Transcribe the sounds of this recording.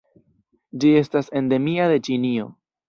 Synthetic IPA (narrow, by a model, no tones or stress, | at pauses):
d͡ʒie̞stase̞nde̞miaðe̞t͡ʃinio̞